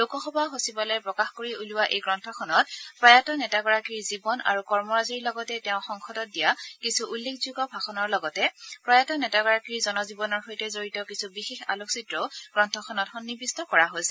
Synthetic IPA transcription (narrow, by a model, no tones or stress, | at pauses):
lokɔxɔbaɦosibalɛpɹɔkaxkoɹiuluwaʔejɡɹɔntʰɔkʰɔnɔtpɹajatɔnɛtaɡɔɹakiɹzibɔna̰ɹukɔɹmɔɹaziɹlɔɡɔtɛtɛʊ̃xɔŋxʰɔdɔt̚dijakisʰuʔulːekʰzuɡɔbʱaxɔnɔɹlɔɡɔtɛpɹajatɔnɛtaɡɔɹakiɹzɔnɔzibɔnɔɹxojtɛzoɹitɔkisʰubixexa̰loksitɹɔɡ̥ɹɔntʰɔkʰɔnɔtxɔnːibistɔkɔɹaɦojsɛ